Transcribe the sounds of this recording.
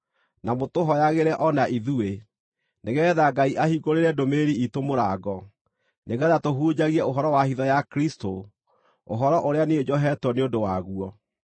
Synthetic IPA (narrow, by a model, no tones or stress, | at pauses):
namotoɦɔjaɣeɾɛʔɔnaʔiðue | neɣɛðaɡaiʔahiɡoɾeɾɛdomeɾiitomoɾaɡɔ | neɣɛðatoɦuːd͡ʑaɣiɛoɦɔɾɔwahiðɔjakɾisto | o̰ɦɔɾɔʔoɾeaneod͡ʑɔɦɛtwɔneodowaɣuɔ